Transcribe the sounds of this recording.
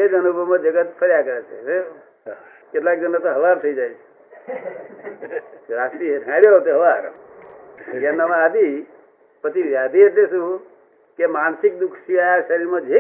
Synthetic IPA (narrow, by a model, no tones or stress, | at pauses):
ed͡ʒənubʱəmãd͡ʒəɡət̪pʰəɾjakəɾet͡ʃʰet͡ʃʰe | ket̪lak̚d͡ʒənat̪oɦəʋaɾt̪ʰəid͡ʒajt͡ʃʰe̥ | oɾast̪iebʱãɽjot̪eɦəʋaɾ | janəʋãəd̪i | pət̪iʋjad̪ʱiet̪lesũ | kemansɪk̚d̪ukʰʃiaaʃəɾiɾmãd͡ʒʱe